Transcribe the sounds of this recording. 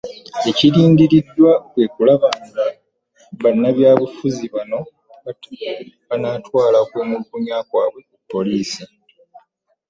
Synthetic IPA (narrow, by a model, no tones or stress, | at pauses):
e̞ciɾiːndiɾidːwakwe̞ːkulaβaŋɡa | βanːaβjaːβufuziβano̞ | βatuβanaːtwaːlakweːmukuɲaːkwaːβwe̞upːo̞liːsi